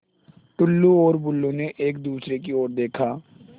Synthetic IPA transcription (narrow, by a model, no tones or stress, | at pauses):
ʈʊlːuɔːɾbʊlːõneʔeːk̚d̪uːsɾekiɔːɾd̪eːkʰaː